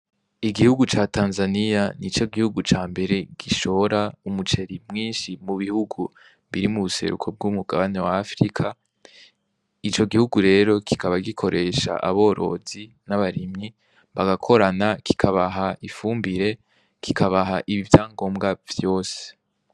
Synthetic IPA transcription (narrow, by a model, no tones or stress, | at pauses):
iɡihuɡut͡ʃaːtaːnzanijanit͡ʃo̞ɡihuɡut͡ʃaːmbe̞ɾe̞ɡ̥iʃo̞oɾaumut͡ʃe̞ɾimŋiːnʃimuβihuɡu | βiɾimuβuse̞̰ɾṵkʰo̞b̚ɡumuɡaβane̞waːfɾikʰa | it͡ʃo̞ɡihuɡuɾe̞ːɾo̞ki̥kaβaɡikʰo̞ɾʔe̞ʃa̰ʔa̰βo̞ːɾʔo̞̰zi | naβaɾimɲi | βaɡakʰo̞ɾanakʰi̥kʰaβaɦaifuːmbiɾe̞ | kʰikʰaβaɦaʔiβivjaːŋɡo̞ːmɡav̥jo̞ːse̥